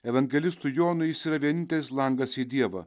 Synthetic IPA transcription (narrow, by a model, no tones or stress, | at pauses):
ɛʋɐŋʲɡʲɛlʲɪst̪ʊjoːnʊjɪsiːɾɐʋʲiɛnʲɪnt̪ʲes̬ʲlˠɐŋɡɐsid̪ʲiɛʋɐ